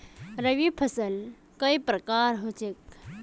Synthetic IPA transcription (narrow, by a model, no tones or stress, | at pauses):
ɾəʋipʰɐsəl | kɐipɾɐkaːɾɦot͡ʃek